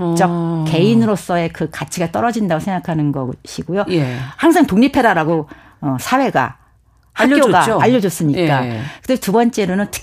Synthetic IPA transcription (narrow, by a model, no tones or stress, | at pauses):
t͡ɕʌk̚ke̞inɯɾos͈ʌe̞kɯkat͡ɕʰiɡat͈ʌɾʌd͡ʑindaɡosʰeŋɡakʰanɯnɡʌɕʰiɡojohaŋs̬ʰaŋtoŋɲipʰe̞daɾaɡo | ʌsʰawe̞ɡa̰ | hakjoɡaːʎːʌd͡ʑos͈ɯɲikk͈akɯtetubʌnt͡ɕ͈e̞ɾonɯntʰɯ̥